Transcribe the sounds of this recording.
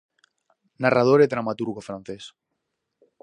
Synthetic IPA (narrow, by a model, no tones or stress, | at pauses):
narʔað̞oɾeðɾamat̪uɾɣofɾãnθes